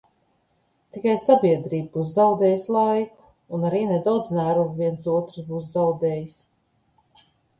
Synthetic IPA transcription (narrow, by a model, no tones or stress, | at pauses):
t̪ikajsabiɛd̪ɾiːb̚buːs̬zawd̪ɛːjslˠajku̥ː | naɾiːnɛd̪awd̪znæːɾuvviɛnsuɔt̪ɾsbuːszawd̪ɛːjis